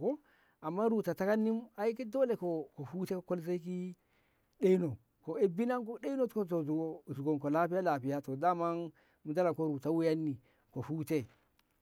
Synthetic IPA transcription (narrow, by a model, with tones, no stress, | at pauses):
ko˦ | a˨mːa˦ɾu˨ta˨ta˦ka˦nːi˦ma˨i˦ke˦do˦le˨ko˨ko˨fu˦te˦ko˨ko˦lse˦i˦k̬i˦ | ɗe˦i˦no˨ | ko˨e˦bi˦na˦ŋko˦ɗe˦i˦no˦ko˦to˨zu˨ɡo˨zu˨ɡo˨ŋko˨la˦pi˦ja˦la˨pi˨ja˦to˨da˦ma˦n | mu˨da˦la˨ŋko˦ɾu˨ta˨wu˦ja˦nːi˨ | ko˨fuː˦te˦